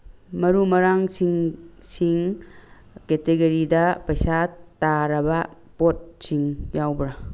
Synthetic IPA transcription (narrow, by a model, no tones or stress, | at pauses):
mɐɾumɐɾaŋsiŋsiŋ | keteɡɐɾidɐpɐjsataɾɐbɐ | pot̚siŋjawbɾa